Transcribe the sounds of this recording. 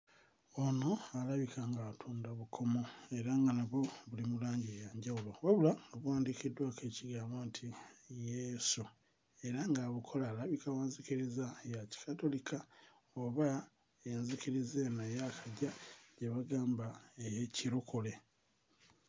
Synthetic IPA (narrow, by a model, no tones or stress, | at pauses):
o̞no̞alaβikaŋɡaːtʰuːndaβukʰo̞mo̞e̞ɾaŋɡanaβo̞βulimulaːɲɟiejaːɲɟawuloβwaβulaŋɡaβuwaːndikidːwakeːciɡaːmbontʰijesu | e̞ɾaŋɡaβukʰo̞laːlaβikawaːnzikiɾizajaci̥kato̞likʰa | oβa | enzikiɾizenajakʰaɟaɟeβaɡaːmbaejeciɾukole̞